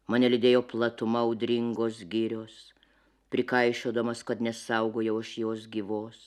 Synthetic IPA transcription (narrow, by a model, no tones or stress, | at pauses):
mɑːnʲɛlʲɪd̪ʲeːjoːplˠɐt̪ʊmɐʊd̪ʲɾʲɪŋɡoːsɡʲiːɾʲoːs | pʲɾʲɪkɐɪʃʲoːd̪ɐmɐskɐt̪nʲɛsɐʊɡoːjɛʊɪʃjoːs̬ɡʲiːʋoːs